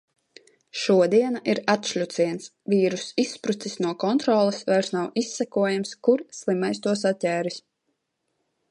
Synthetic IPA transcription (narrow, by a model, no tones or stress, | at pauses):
ʃuɔd̪iɛnaʔiɾat̪ʃlʲut̪siɛns | viːɾusispɾut̪sisnuɔkɔnt̪ɾɔːlˠɛsvajɾsnawʔisːækuɔjamskuɾslˠimajst̪uɔsat̪̚tʲɛːɾis